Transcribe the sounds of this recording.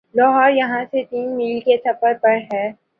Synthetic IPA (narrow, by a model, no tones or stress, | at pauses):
lɔːɦɔːɾjɐɦãset̪iːnmiːlkesɐpəɾpɐɽɦɛː